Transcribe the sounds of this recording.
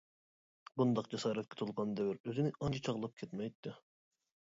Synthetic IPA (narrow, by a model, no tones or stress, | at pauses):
bund̪ɑqd͡ʒɛsɑːɾɛt̪kʰʲɛ̥t̪ʰolˠʁɑnd̪ɛwɪɾøzɪnɪʔɑnt͡ʃʰɑt͡ʃʰɑʁlˠɑp̚kʲʰɛt̪mɛjt̪ʰːɪ